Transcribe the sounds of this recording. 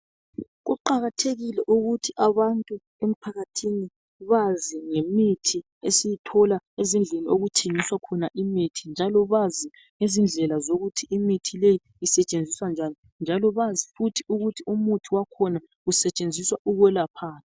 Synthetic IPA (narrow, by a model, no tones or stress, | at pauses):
ɣuǃaɣatʰeɣilɛʔuɣutʰiʔaβantʼu | em̩pʰaɣatʰini | βaziŋemitʰi | esijitʰɔlaezind͡ɮʱenioɣutʰeŋiswakʰɔnaʔimitʰind͡ʒʱalɔβazi | ŋezind͡ɮʱɛlazoɣutʰiʔimitʰileji | isɛt͡ʃʼend͡zʱiswand͡ʒʱani | nd͡ʒʱalɔβazifutʰiuɣutʰiumutʰiwakʰɔna | ɣusɛt͡ʃʼend͡zʱiswaʔuɣwɛlapʰaːtʰi̥